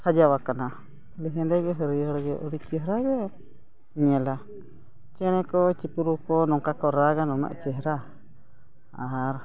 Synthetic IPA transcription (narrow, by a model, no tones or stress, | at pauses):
sad͡ʒawakana | liɦɛnd̪ɛɡɛɦəɾiəɽɡɛʔɔɽit͡ʃɛɦɾaɡɛ | ɲɛla | t͡ʃɛɽ̃ɛkɔt͡ʃipuɾukɔnɔŋkakɔɾaɡanɔna̰ʔt͡ʃɛɦɾa | ɾ